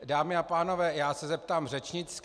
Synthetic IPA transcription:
daːmɪapaːnovɛːjaːsɛzɛp̚t̪aːmrɛt͡ʃɲɪt͡sk

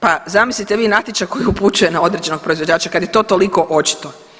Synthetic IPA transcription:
pazamislit̪eʋiːnat̪it͡ʃako̞jiuput͡ʃuje̞nao̞d̪ɾed͡ʑe̞no̞ɡ̚pɾo̞izʋo̞d͡ʑaːt͡ɕakad̪jet̪oːt̪o̞liko̞ʔo̞t͡ʃi̥t̪o

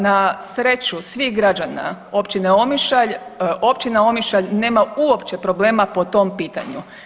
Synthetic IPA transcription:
nasɾe̞t͡ʃusʋixɡɾad͡ʒana̰ | o̞pt͡ʃineo̞miʃaʎo̞pt͡ʃinao̞miʃaʎne̞ːmauo̞pt͡ʃepɾo̞ble̞ːmapo̞t̪o̞mpiːt̪a̰ɲṵ

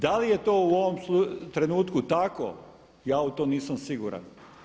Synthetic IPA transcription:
d̪alije̞t̪o̞ːuoʋomsut̪ɾe̞nuːt̪kut̪ako̰ | jaːut̪oːniːsamsiɡuɾa̰n

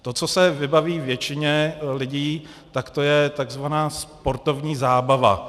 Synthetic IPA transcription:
t̪o̞t͡sosɛvɪbaviːvjɛt͡ʃɪɲɛlɪɟiː | t̪akt̪o̞jɛt̪aɡzvanaːspo̞ɾt̪o̞vɲiːzaːbava̰

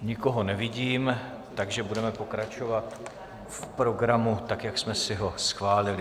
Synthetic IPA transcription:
ɲɪko̞ɦo̞nɛvɪɟiːm | t̪aɡʒɛbudɛmɛpo̞kɾat͡ʃo̞vat̪ | fpɾo̞ɡɾamut̪akjaksmɛsɪɦo̞sxvaːlɪlɪ

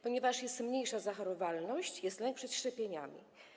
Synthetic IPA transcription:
pɔɲɛvaʂjɛst̪mɲejʂazaxaɾɔvalnɔɕt͡ɕjɛst̪lɛŋk̚pʂɛt̪ʂt͡ʂɛpʲjeɲa̰mʲḭ

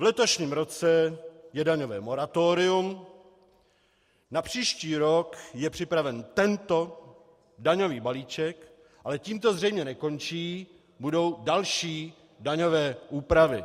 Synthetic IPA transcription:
vlɛt̪o̞ʃɲiːmɾo̞t͡sɛjɛdaɲo̞vɛ̰ːmo̞ɾat̪oːɾɪum | napr̝̥iːʃciːɾokjɛpr̝̥ɪpɾavɛnt̪ɛnt̪o̞ | daɲo̞viːbaliːt͡ʃɛk | ʔalɛciːmt̪o̞zr̝ɛjmɲɛnɛko̞nt͡ʃiː | budo̞wdalʃiː | daɲo̞vɛːʔuːpɾavɪ

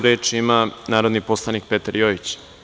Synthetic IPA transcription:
ɾeːt͡ʃimanaːɾod̪niposlˠanik̚pe̞t̪aɾjoit͡ɕ

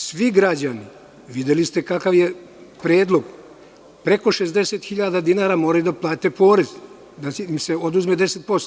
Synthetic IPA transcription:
sʋiɡɾad͡ʑani | ʋid̪jelist̪e̞kakaʋje | pɾeːd̪lˠo̞ɡ | pɾe̞ko̞ʃezd̪eset̪xiʎaːd̪ad̪inaːɾamoːɾajud̪aplˠaːt̪e̞po̞ːɾe̞z | d̪aseo̞d̪uzmed̪eset̪̚po̞st̪

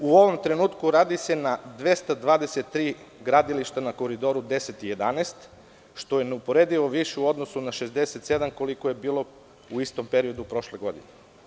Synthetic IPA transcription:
uo̞ʋo̞mt̪ɾe̞nuːt̪kuɾaːd̪ise̞nad̪ʋest̪ad̪ʋaːd̪eset̪ːɾiːɡɾad̪iliʃt̪anako̞ɾid̪o̞ɾud̪e̞set̪ije̞d̪aneːst̪ | ʃt̪o̞jeneupo̞ɾe̞d̪iʋo̞ʋiʃeuo̞d̪nosunaʃezd̪eset̪se̞d̪amko̞likoje̞biːlˠo̞ | uist̪o̞mpe̞ɾio̞d̪upɾo̞ʃleɡo̞d̪ḭne

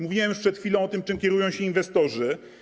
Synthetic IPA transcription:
muvʲiwɛmjuʂpʂɛt̪xfʲilɔ̃w̃ɔt̪ɘmt͡ʂɘmkʲɛɾujɔ̃w̃ɕɛinvɛst̪ɔʐɘ

